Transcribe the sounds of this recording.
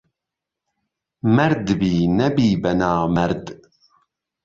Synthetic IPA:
mæɾd̪binæbiːbænamæɾd̪

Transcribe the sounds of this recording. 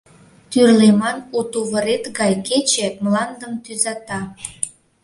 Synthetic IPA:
t̪yrlemɑnut̪uβəɾet̪ɡɑjket͡ɕemlɑnd̪əmt̪yzɑt̪ɑ

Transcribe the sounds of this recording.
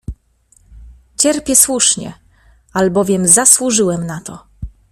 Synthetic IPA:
t͡ɕɛɾpʲjɛswuʂɲɛ̰ | albɔvʲjɛmzaswuʐɘwɛmnat̪ɔ

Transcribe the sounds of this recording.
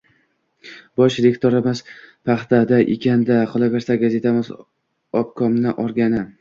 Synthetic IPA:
bɒʃɾekʲt̪ʰoɾamɪzpʰaχt̪ʰad̪aʔɪ̰kʲʰand̪aqʰɒlˠavʲeɾsaɡaze̞t̪ʰamɪz | ɒp̚kʰɒmnɪʔɒɾɡʲanɪ

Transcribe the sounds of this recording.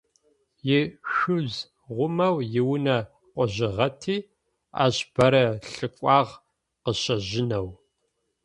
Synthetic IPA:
jɪʃɨz | ʁʷʊmɐwjɪwnɐ | qʷɔʑɪʁɐtʰiː | a̰ːɕb̥ɐɾɐɬɨkʷʼɑːʁ | qəɕɐʒɪnɐw

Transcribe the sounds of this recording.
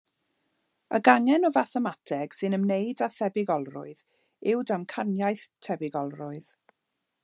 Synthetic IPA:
əɡaŋɛnɔvaθɛmatʰɛɡ̥sɨnəmnejdaθɛbɪɡɔlˠrʊ̰ɨð | ɪwdamkʰanjajθtʰɛbɪɡɔlˠrʊɨð̥

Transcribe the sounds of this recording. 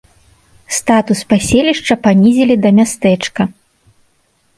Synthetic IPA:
st̪at̪uspasʲelʲiʂt͡ʂɐpanʲizʲelʲid̪ɐmʲast̪ɛt͡ʂkɐ

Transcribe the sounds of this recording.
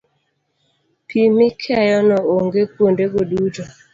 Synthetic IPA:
pʰimɪkʰɛjɔnɔoŋɡepondeɡodutɔ

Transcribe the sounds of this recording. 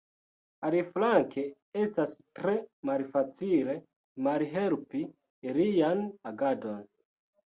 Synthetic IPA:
aliflaŋke̞ | e̞stastɾe̞malfat͡sile̞ | malɦe̞lpi | ɾijanaɡado̞n

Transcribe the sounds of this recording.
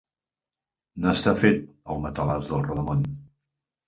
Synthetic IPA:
nast̪afet̪̚əlˠmət̪əlazðəlˠrəðəmon

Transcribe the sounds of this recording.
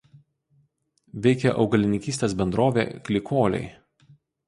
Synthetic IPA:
ʋʲɛɪkʲɛʔɒʊɡɐlʲɪnʲɪkʲiːsʲt̪ʲeːsbʲɛnd̪ɾoːʋʲḛːkʲlʲɪkoːlʲɛ̰ɪ

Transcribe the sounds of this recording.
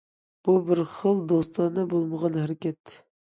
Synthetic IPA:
b̥ubɪɾχəlˠd̪ost̪ɑnnɨbolˠməʁɑnhæɾɪkʲɛt̪ʰː

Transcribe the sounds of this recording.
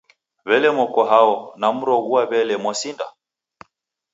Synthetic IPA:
βɛlɛmɔkɔɦaɔnam̩ɾɔɣuaβɛlɛmwasinda̰

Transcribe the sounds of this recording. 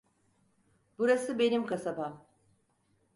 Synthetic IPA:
buɾasɯbe̞nimkasabam

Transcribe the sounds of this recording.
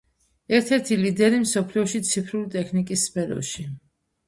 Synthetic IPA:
ɛɾt̪ʰɛɾt̪ʰilid̪ɛɾimsɔpʰliɔʃit̪sʰipʰɾulit̪ʼɛkʰnikʼisːpʰɛɾɔ̰ʃi

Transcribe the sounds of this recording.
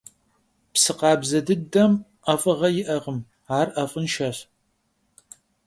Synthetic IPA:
psɨqɑːbzɐdɨdɐm | ɐfʼɐʁɐjɪʔɐʁəm | aːrʔɐfʼɨnʃɐɕ

